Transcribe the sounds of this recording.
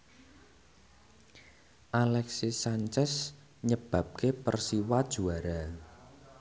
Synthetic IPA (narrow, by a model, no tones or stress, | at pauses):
ʔalɛksisaɲt͡ʃɛs | ɲəb̥ä̤p̚kepərsiwad̥ʒ̥uaɾa